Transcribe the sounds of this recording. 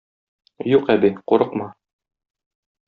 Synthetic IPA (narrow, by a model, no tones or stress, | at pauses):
juqæbiquɾɤqmɑ